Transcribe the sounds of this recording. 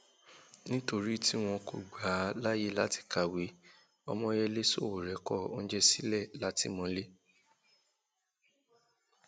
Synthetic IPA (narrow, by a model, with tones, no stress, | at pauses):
nĩ˦to˧ɾi˦ti˦w̃ɔ̃˧ko˨ɡ͡ba˨˦la˦je˦˨la˦ti̥˨ka˨wi˨˦ | ɔ˧mɔ̃˧˦jɛ˧le˦so˦˨o˨ɾɛ˨˦kɔ˦˨o˦n̩˦d͡ʒɛ˦si˦lɛ˦˨la˦ti˦mɔ̃˧le˦